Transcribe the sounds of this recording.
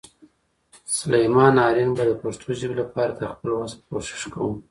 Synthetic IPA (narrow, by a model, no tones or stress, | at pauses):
sʊlajmɑnɑɾɪnbad̪əpaʃt̪ʰoʒəbelapɑɾad̪əxpəlwazkoʃɪ̥ʃkawum